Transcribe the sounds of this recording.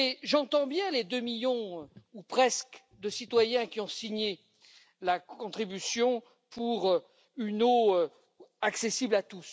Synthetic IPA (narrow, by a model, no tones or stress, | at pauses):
eʒɑ̃t̪ɑ̃bjɛ̃led̪ømiljɔ̃upχɛsk | d̪əsit̪wajɛ̃kʲiɔ̃siɲe | lakkɔ̃t̪χibysjɔ̃ | puʁ | ynoø | aksesiblat̪us